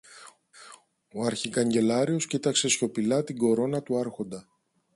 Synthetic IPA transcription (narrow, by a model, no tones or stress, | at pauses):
o̞ɐɾçikɐɲɟe̞lɐɾio̞scit̪ɐkse̞sço̞pilɐt̪iɡo̞ɾo̞nɐt̪uɐɾxo̞nd̪ɐ